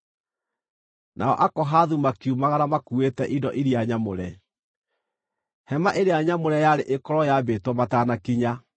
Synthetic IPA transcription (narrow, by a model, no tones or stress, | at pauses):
nʔa̰ɔ̰ʔakɔɦaðumakiumaɣaɾamakuetɛʔidɔʔiɾiaɲamoɾɛ | hɛmaʔeɾeaɲamoɾɛjaɾeʔekɔɾɔjabetwɔmatanakiɲa